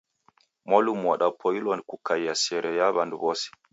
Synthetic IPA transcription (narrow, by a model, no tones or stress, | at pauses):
molumwaɗapʰojilɔnkukajːasɛɾʔɛjaβandubosi̥